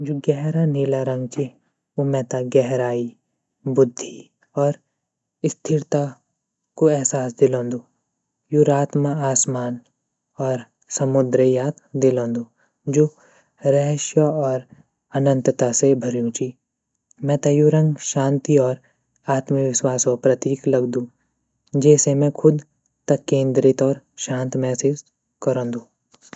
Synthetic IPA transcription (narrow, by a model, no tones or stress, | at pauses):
d͡ʒoːɡɛɦɾaniːlaɾɐ̃ŋɡt͡ʃʰi | omɛ̃ːt̪aɡɛɦɾaːi | bʊd̪ʱːi | ɔːɾ | ɪst̪ʰɪɾt̪a | koɛɦsaːsd̪ɪlõːnd̪u | juɾaːt̪məaːsmaːn | ɔːɾ | sɐmʊd̪ɾəjaːt̪d̪ɪlõːnd̪u | d͡ʒoː | ɾɛɦʃjəɔːɾ | ɐnə̃nt̪t̪asebʱɐɾjũt͡ʃi | mɛ̃ːt̪ɐjuɾɐ̃ŋɡʃaːnt̪iɔːɾ | aːt̪məʋɪʃwaːsopɾɐt̪iːklɐɡd̪ũː | d͡ʒɛːsemɛ̃kʰʊd̪ | t̪ɐkːẽːnd̪ɾɪt̪ɔːɾʃãːnt̪mɛːsɪs | kɐɾõːnd̪ũː